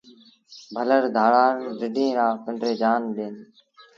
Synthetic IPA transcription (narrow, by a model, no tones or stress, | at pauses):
bʱələɾd̪ʱaːɭaːnɾɪɖʱĩːɾaːkəɳɖɾeːd͡ʒaːnɗeːn